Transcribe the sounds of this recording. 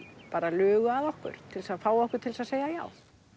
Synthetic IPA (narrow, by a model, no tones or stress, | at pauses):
paːɾalœːɣʏaðɔhkʏ̰ɾ̥t̪ʰɪlsaðfaːwɔhkʏɾ̥t̪ʰɪlsaðseːjaja̰ːw